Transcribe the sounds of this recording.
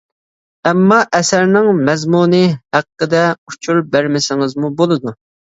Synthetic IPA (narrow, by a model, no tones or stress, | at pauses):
ɛmːɑʔɛsæɾnɪŋmɛzmunɨhæqqːəd̪ɛut͡ʃʰuɾbæɾmɪsɪŋɨzmubolˠɨd̪u